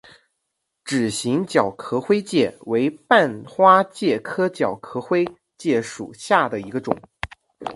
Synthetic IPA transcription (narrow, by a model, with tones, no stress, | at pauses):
ʈ͡ʂɻ̩˨˩ɕi˧˥ŋt͡ɕjɑ˨˩ʊkʰɤ˧˥xwe˥ɪt͡ɕjɛ˥˩we˧˥ɪpa˥˧nxwa˥t͡ɕjɛ˥˩kʰɤ˥t͡ɕjɑ˨˩ʊkʰɤ˧˥xwe˥ɪ | t͡ɕjɛ˥˩ʂṵ˨˩ɕja˥˩d̪ə˩i˧˥ɡə˧ʈ͡ʂʊ̰˨˩˦ŋ